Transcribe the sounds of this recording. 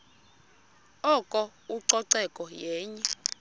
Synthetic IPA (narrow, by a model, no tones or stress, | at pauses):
ɔkʼɔ | uǀɔǀɛkʼɔjɛːɲɛ